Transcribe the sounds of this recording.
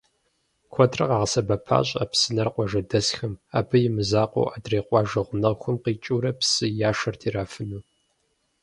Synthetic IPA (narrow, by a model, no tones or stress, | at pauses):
kʷʰɔtʰrɐqɑːʁɐsɐbɐpʰa̰ːɕʼa̰psɨnɐrqʷʼɔʒɐdɐsxɐma̰ːbʰɨjɪmɨzaːqʷo̰ʔadreːqʷʼɑːʒɐʁʷʊnɐʁxʷʊmqiːt͡ʃʼuːɾɐpsɨjaːʃɐrtʰiːɾaːfɨnuː